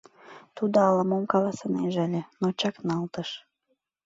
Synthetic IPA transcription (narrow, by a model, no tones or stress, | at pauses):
t̪ud̪oɑləmomkɑlɑsɤneʒælʲĕnot͡ɕɑknɑlt̪əʃ